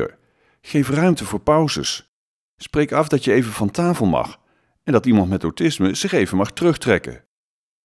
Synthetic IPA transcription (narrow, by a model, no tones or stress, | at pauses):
χejfrœɥmtəvʊːɹpʌwzə̰s | sprejkɑfdɑtjəejvənvɑntaːfəlˠmɑ̰χ | ɛndɑtimɑntmɛtowtɪsməz̥ɪχejvənmɑχtərɵχtrɛkə̰